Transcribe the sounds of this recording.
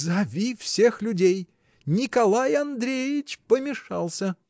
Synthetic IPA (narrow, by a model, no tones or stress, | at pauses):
zɐvʲifsʲe̞xlʲʊdʲej | nʲɪkɐlˠajɐnd̪ɾʲejɪt͡ɕpəmʲɪʂalˠsʲə